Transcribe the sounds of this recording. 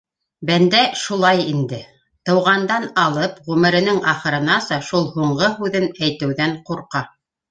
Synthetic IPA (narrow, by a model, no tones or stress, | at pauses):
bænd̪æʃulˠɑjind̪ɘ | t̪ɤ̆wʁɑnd̪ɑnɑlˠɤpʁʉmɘ̆ɾɘ̆nɘŋɑχɤ̆ɾɤ̆nɑsɑʃulˠhuɴɢɤɦʉðɘnæjt̪ɘ̆wðæɴquɾqɑ